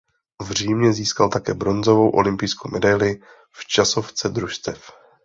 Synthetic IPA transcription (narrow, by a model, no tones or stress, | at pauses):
vr̝iːmɲɛziːskalt̪akɛːbɾo̞nzo̞vo̞wʔolɪmpɪjskowmʔɛdajlɪ | ft͡ʃaso̞ft͡sɛd̪ɾuʃst̪ɛf